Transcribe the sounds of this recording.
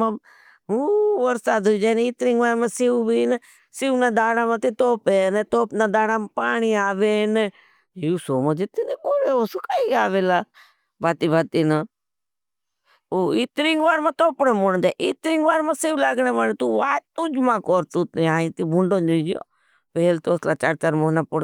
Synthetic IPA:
ã | uʋəɾsaːd̪oid͡ʒaːnit̪ɾĩŋɡʋaːɾmãːsibinː | sɪʋnãːd̪aːɽaːmãːt̪it̪oːpenet̪oːpnãːd̪aːɽamapaːɳiaːʋeːne | juːsoːmãd͡ʒet̪inekoːɾeːoːsʊkaːiaːʋeːlaː | baːt̪iːbat̪iːna | oit̪ɾĩŋɡʋaːɾmãːt̪oːpnẽːmoɽ̃d͡ʒaʔit̪ɾĩŋɡʋaːɾmãːsiʋlaɡneːmaːnet̪uʋaːt̪ud͡ʒmãːkoːɾt̪uːt̪eaːĩt̪ibuɳɖõːd͡ʒud͡ʒo̰ː | peːlt̪oːslaːt͡ʃaɾt͡ʃaɾmonãːpʊɽ

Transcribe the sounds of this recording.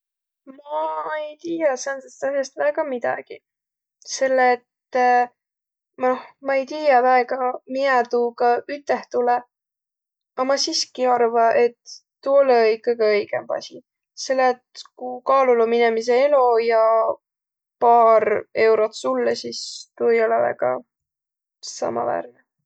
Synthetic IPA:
mɑejt̪iːjɑsɑnd̪est̪æljest̪væeɡ̥ɑmid̪̥ɑ̰ɡ̥i | se̞lːet̪ | mnohmɑe̞jt̪iːjɑvæeɡ̥ɑmiɑt̪uɡɑyt̪ːˑe̞ht̪ule | ɑmɑsiskiɑrvɑʔe̞t̪ː | uoleikːˑɑɡ̥iɤjɡ̥ḛmpɑ̰sʲi | se̞lːet̪kukɑːluluminemis̬e̞elojɑ | pɑːɾe̞wɾot̪sulːesist̪uejo̞levæ̰ɡ̥ɑ̰ | sɑ̰mɑ̰væ̰ːrne

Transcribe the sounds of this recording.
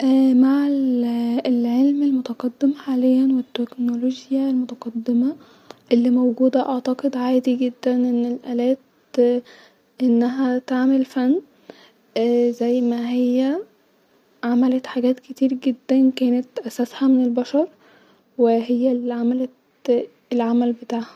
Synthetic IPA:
ʔːmaʕellʕelmelmot̪ɑqɑd̪ːemħaːlejːænwet̪ːeknoloɡjælmot̪ɑqɑd̪ːemæ | ʔelːimowɡuːd̪æʔɑʕt̪ɑqed̪ʕaːd̪iɡed̪ːænʔenːelʔæːlæːt̪ | ʔenːæɦæt̪aʕmelfænː | zæjːmæɦejːæ | ʕamælæt̪ħaɡæːt̪ket̪iːɾɡed̪ːænkæːnet̪ʔæsæshæmenelbæʃɑɾˤ | weɦejːælʕamælæ | elʕamælbet̪aːʕhæ̥

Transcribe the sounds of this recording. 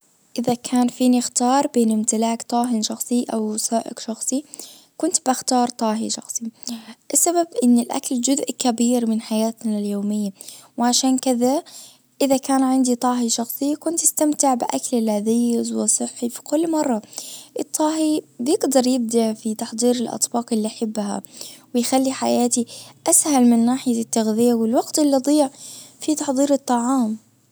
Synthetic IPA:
ʔɪðakʰaːnfiːnɪxt̪ɑːɾˤbeːnɪmt̪ɪlaːkt̪ˤɑːɦɪnʃɑxsˤiʔa̰wsaːʔɪ̰kʃɑxsˤi | kʊnt̪bɪxt̪ɑːɾˤt̪ˤɑːɦḭʃɑ̰xsˤiʔɪsːababʔɪnːɪlʔa̰kald͡ʒʊzʔkabiːɾmɪnħajaːt̪naljoːmɪjːawʕaʃaːnkɪða | ʔɪðakaːnʕɪnd̪it̪ˤɑːɦiʃɑxsˤɨjːakʊnt̪ʔɪst̪amt̪ɪʕbɪʔaklɪlaðiːzwɪsˤɨħːifi̥kʊlːmɑrˤːɑʔɨt̪ˤːɑːɦibjɪɡd̪ɑɾˤjɪb̚d̪aʕfit̪ɑħd̪ˤiːɾɪlʔɑ̰t̪ˤbɑːqʔɪlːiʔaħɪbːha̰wɪjxalːiħajaːt̪iʔashalmɪnːaːħɪjat̪ːaɣðɪjawɪlwɑɡt̪ʔɪlːiʔɑd̪ˤiːʕfit̪ɑħd̪ˤiːɾɨt̪ˤːɑʕɑːm

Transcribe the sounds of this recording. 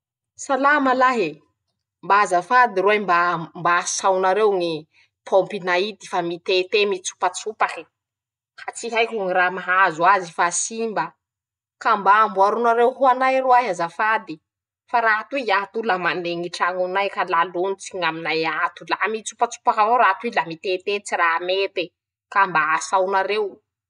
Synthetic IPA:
salamalaɦe | mbaazafad̪iɾuajmbambasawnaɾewŋi | pʰompinaid̪ifamit̪et̪emit͡su̥pat͡supaki̥ | hat͡siɦajkʲuŋiramaɦazuazifasimbə | kambaambuaɾunaɾewɦuanajruaɦazafad̪i | faɾaɦat̪uiat̪ulamaneŋiʈ͡ʂaŋunajkalalonit͡siɲaminajat̪ulaɦmit͡supat͡su̥pakavoɾat̪uilamit̪et̪et͡siɾamet̪e | kambaasawnaɾew

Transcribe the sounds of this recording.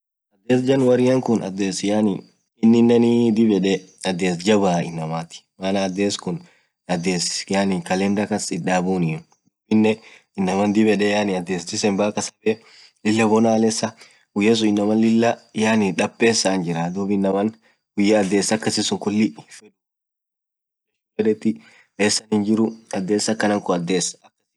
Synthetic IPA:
ʔɐd̪ːeːsd͡ʒɐnwɐɾɪjɐŋkʊnɐ̰d̪ːeːsjanɪ | ɪnːɪnːɛnid̪ɪbɛᶑɛ | ɐd̪ːeːsd͡ʒɐbaːɪ̰nːɐmaːt̪ɪ̥mɐnaːd̪ːeːskʊn | ɐd̪ːeːsjaːnɪŋkɐlendɐkɐsɪᶑaːbuːnɪn | d̪uːbɪnːɛ | ɪnːɐmɐnd̪ɪbɛᶑɛjanɪɐd̪ːeːst̪ɪsɛmbaːkɐsɐbɛ | lɪlːɐbɔnalɛsːɐ | ɡʊjes̬ʊɪnːɐmɐnlɪlːɐjaːnɪᶑɐpʼːeːsːand͡ʒɪɾɐd̪uːbɪnːɐmɐn | ɡʊjːɐːd̪ːe̞ːsːɐkːɐsɪsʊŋkʊlːɪfɛᶑʊ | ɛʊfɛᶑɛt̪ːɪ | eːsːɐnɪnd͡ʒɪɾʊɐd̪ːe̞ːsːɐkːɐnɐŋkɔɐd̪ːe̞ːsɐ̥ɐkːɐ̥

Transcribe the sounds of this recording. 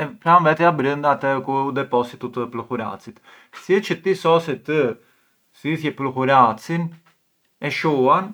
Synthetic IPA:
ɛpɾanvɛt̪ɛabɾənd̪aːt̪ɛkuud̪ɛpɔsit̪ut̪əplɔkuɾa̰t͡sit̪ | siɛt͡ʃət̪isɔsɛt̪ə | ziθjɛplɔkuɾat͡sin | ɛʃuan

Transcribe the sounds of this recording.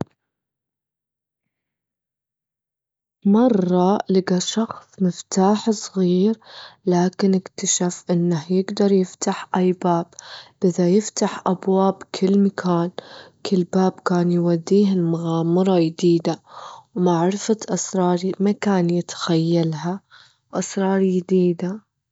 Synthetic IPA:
mɑrˤːɑlɪɡaʃɑxsˤmɪft̪aːħsˤɣiːɾlaːkɪnɪkt̪aʃafʔɪnːahjɪɡd̪ɑɾˤjɪft̪aħʔajbaːbʔɪðajɪft̪aħʔabwaːbkʰɪlːmakʰaːnkɪlːbaːbkaːnjwad̪ːiːɦɪlmaɣaːmɪɾˤɑjd̪iːd̪awmaʕɾɪfaʔɑsɾˤɑːɾˤimakaːnjɪt̪xajːalɦa | wʔɑsɾˤɑːɾˤjd̪iːd̪a

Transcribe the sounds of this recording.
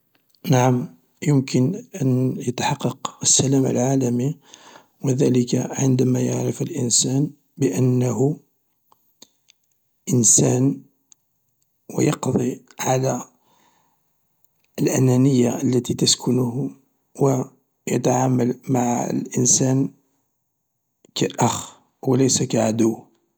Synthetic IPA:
naʕam | jʊmkənʔənjət̪ħɑqːɑqəsːælæmə̰lʕalæmi | wəd̪æləkaʕənd̪æmæja̰ʕɾəfəlʔənsæn | bəʔənːəɦʊ | ʔənsæn | wə̰jɑqd̪ˤiʕalæ | əlʔænænəjːaʔəlːæt̪it̪əskʰʊnʊh | wə | jət̪aʕaməlmaʕə̰lʔənsæn | kaʔæx | wələjsækaʕad̪ʊwː

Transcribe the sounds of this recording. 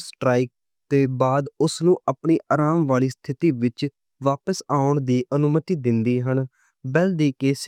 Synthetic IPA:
sʈɾaːik̚ | t̪eːbaːd̪ʊsnũːʔapɳiːʔaːɾaːmʋaːliːst̪ʰɪt̪iːʋɪt͡ʃ | ʋaːpəsaːʊɳd̪iːʔənʊmət̪iːd̪ɪnd̪iːɦən | bɛld̪iːkeːs

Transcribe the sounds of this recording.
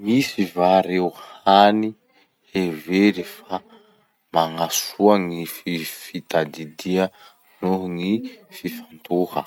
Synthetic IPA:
misivaɾewhani | eveɾifa | maŋasuaŋififit̪ad̪id̪iə | nuɦŋififant̪uhə̰

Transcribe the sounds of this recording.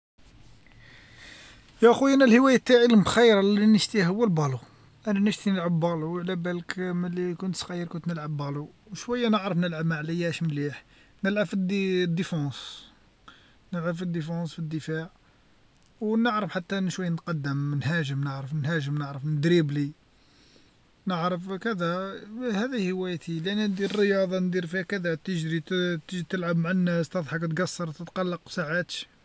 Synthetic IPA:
jæʔxujʔænælhəwæjæt̪ːaʕilmxijɾˤɑlinəʃt̪ihəwːælbɑlu | ʔænænəʃt̪inəlʕəbːæluwʕlæbælkmælikʊnt̪sqɑjːəɾkʊnt̪nəlʕəbːæluwʃwæjːænəʕɾəfnəlʕəbmaʕlijæʃmliħ | nəlʕabfid̪d̪ːəfɑ̃s | nəlʕabfid̪ːəfɑ̃sfid̪ːəfaʕ | wnəʕɾəfħat̪ːæʔnːʃwæjːnət̪qɑd̪ːəmnhæʒəmnəʕɾəfnhæʒəmnəʕɾəfnəd̪ɾibli | nəʕɾəfkəd̪æhæd̪ihəwæjt̪ʰilʔænːind̪iɾrəjɑd̪ˤɑnd̪iɾfiækəd̪æt̪əʒɾit̪ət̪əlʕabmaʕanːæst̪əd̪ˤħɑkt̪ɡɑsːɑɾˤt̪ət̪qɑlːɑqsaʕat̪ʃ

